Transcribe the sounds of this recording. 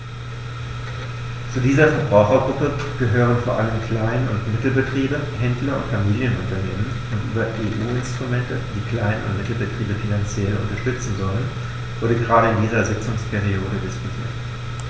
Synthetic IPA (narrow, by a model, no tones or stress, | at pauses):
t͡suːdiːzɐfɛɐbʁaʊxɐɡʁʊpəɡ̥əɦøːʁ̞ənfoːɐʔaləmkʰl̥aɪnənʊ̰ntmɪtl̩bətʁ̥iːbəhɛndlɐʊ̰ntfamiːljənʊntɐneːmən | ʊntʔyːbɐʔeːʔuːɪnstʁ̥umɛntəd̥iːkl̥aɪnənʊ̰ntmɪtl̩bətʁ̥iːbəfinant͡sjɛlʔʊ̰ntɐʃtʏt͡sn̩zɔlən | ʔʊːdəɡʁaːɾəɪndiːzɐzɪt͡sʊŋspʰeʁ̞ioːdədɪskʊtʰiːɐt